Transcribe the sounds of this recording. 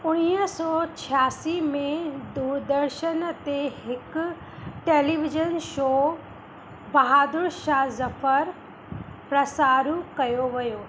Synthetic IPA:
ʊɽ̃iːəsɔːt͡ɕʰijaːsimẽd̪uːɾd̪əɾʃənt̪eɦɪk | ʈeːliʋɪd͡ʒənʃoː | bɐɦaːd̪ʊɾʃaːzɐfəɾ | pɾɐsaːɾũkɐjoʋɐjoː

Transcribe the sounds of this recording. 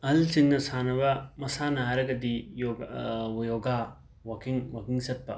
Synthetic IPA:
ɐlsiŋnɐsanɐbɐmɐsanɐɦaɾɐɡɐdijo | joɡa | wɐkiŋwakiŋsɐt̚pɐ

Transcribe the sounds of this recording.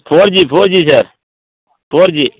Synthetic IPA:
pʰoːɾd͡ʒiːpʰoːɾd͡ʒiːsəɾ | pʰoːɾd͡ʒiː

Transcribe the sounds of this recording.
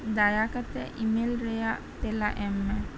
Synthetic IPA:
d̪ajakat̪əʔimelɾeja | t̪elaʔɛmːɛ

